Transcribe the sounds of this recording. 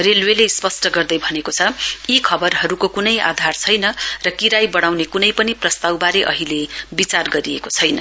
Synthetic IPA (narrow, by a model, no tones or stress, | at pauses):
relwelespʌsʈʌɡʌrd̪ʌjbʱʌnekot͡sʰʌikʰʌbʌrɦʌɾukokunʌja̰d̪ʱart͡sʰʌjnʌrʌkiɾajbʌɽ̃awnekunʌjpʌniprʌst̪awbaɾeʔʌ̰ɦilebit͡sarɡʌɾiekot͡sʰʌjnʌ